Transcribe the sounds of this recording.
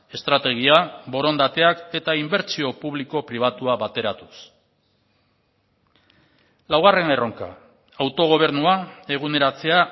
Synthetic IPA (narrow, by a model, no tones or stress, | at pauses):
e̞st̪ɾat̪e̞ɣ̞iabo̞ɾo̞nd̪at̪e̞ake̞t̪aimbe̞ɾt͡ʃio̞puβliko̞pɾiβ̞at̪uaβat̪e̞ɾat̪u̥s | lawɣ̞are̞ne̞ro̞ŋka̰ | awt̪o̞ɣ̞o̞β̞e̞ɾnuae̞ɣ̞une̞ɾat͡se̞a